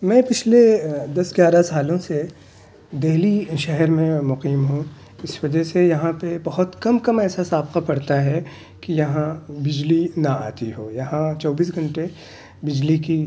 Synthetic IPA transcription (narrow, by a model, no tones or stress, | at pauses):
mɛ̃ːpɪt͡ʃʰled̪ɐsɡjaːɾasaːlõse | d̪eɦliʃɛɦɛɾmẽmʊqiːmɦũ | ɪsʋɐd͡ʒɛsejɐɦãpebɐɦʊt̪kɐmkɐmɛːsasaːbqapɐɽt̪aɦɛ | kijɐɦãbɪd͡ʒlinaa̰ːt̪iɦo̰ːjɐɦãt͡ʃɔːbiːs̬ɡʱɐ̃ɳʈe | bɪd͡ʒliki